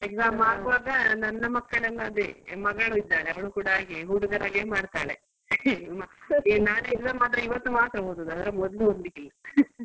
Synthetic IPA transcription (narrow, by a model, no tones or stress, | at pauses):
ezamaːkuʋaːɡɐnɐnːɐmɐkːɐɭɐlːɐɐd̪umɐɡɐɭuid̪ːaːɭeɐʋɐɳukuːɽɐaːɡiɦuːɽuɡɐɾaːɡeːmaːɽt̪aːɭḛ | mɐnaːneiɾd̪ɐmaːt̪̬ɾɐiʋɐt̪ːumaːt̪ɾɐboɦud̪ɐd̪ɐd̪ɐɾemɔd̪luond̪ikilːɐ